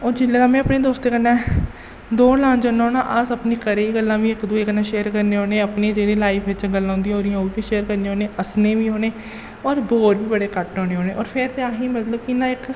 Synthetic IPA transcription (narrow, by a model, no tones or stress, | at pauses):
oːd͡ʒɪlːeːd̪aːmɛ̃ːəpɳeːd̪oːst̪eːkənːɛ̃ː | d̪oːlãːnd͡ʒãːnaɦoːnã̰ːʔəsəpniːkəɾeːiːɡəlːãːʋiːɪkd̪ueːkənːãːʃeːɾkəɾnẽːɦoːneːəpneːd͡ʒeːɽeːlaːipʰʋɪt͡ʃɡəlːãːɦʊ̃nd̪iãoːɾɪjãːobiːʃeːəɾkəɾnẽːɦoːneːʔəsneːʋiːɦoːneː | ɔːɾboːɾbiːbəɽeːkəʈõːneːɦoːneːɔːɾpʰɪɾt̪eːaːɦĩːmət̪ləbkiɪnãːɪk